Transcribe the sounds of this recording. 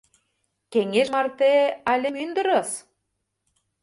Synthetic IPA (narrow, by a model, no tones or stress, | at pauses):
keŋeʒmɑrt̪eɑlʲĕmynd̪ə̆ɾɤ̆s